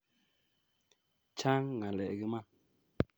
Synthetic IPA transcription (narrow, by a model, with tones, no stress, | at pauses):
t͡ʃa˦ŋŋa˨lɛ̰˨ɡi˦ma˦˨